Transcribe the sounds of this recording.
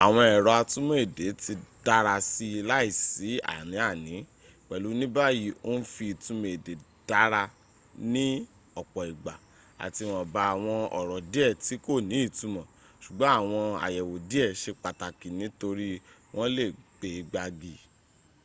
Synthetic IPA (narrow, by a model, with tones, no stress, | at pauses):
a˨w̃ɔ̃˧ɛ˨ɾɔ˨˧a˧tũ˦mẽ˦e˦˨de˨˦ti˧d̥a˦ɾa˧si˧˦˧la˦i˦˨si˨˦a̰˦˨nĩ˨˦a˦˨nĩ˨˦ | k͡pɛ˨lu˨˦nĩ˦ba˦ji˨˦o˦n̩˦fi˧i˨tũ˨˦me˨de˨˦ | d̥a˦ɾa˧ | nĩ˦ | ɔ˨k͡pɔ˨i˨ɡ͡ba˨ | a̰˨ti˧wɔ̃˨ba˧a˨w̃ɔ̃˧ɔ̰˨ɾɔ˨di˦ɛ˦˨ti˨˦ko˦˨nĩ˨˦i˦˨tũ˨˦mɔ̃˨ | ʃu˨ɡ͡bɔ̃˦a˦˨w̃ɔ̃˧a̰˨jɛ˨wo˨di˦ɛ˦˨ʃe˧k͡pa˨ta˨ki˨nĩ˨˦to˧ɾi˦ | w̃ʔɔ̃˦le˦˨k͡pe˧i˧ɡ͡ba˧ɡi˨